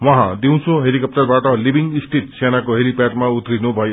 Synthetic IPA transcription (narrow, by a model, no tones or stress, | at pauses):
wɔ̃ɦã̰d̪iw̃t͡sʰũɦelikʌp̚ʈʌɾbaʈʌlibiŋist̪ʰit̪senakoɦelipaʈmaut̪ɾinubʱʌjo